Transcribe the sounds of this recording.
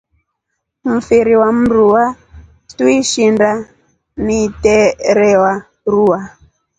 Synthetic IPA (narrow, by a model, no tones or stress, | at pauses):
m̩fiɾiwam̩ɾuwa | tuiʃinda | nitɛɾɛwa | ruwa